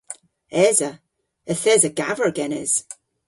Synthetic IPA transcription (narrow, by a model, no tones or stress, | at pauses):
ɛzə | əθɛzəɡa̰və˞ɡɛnɛz̥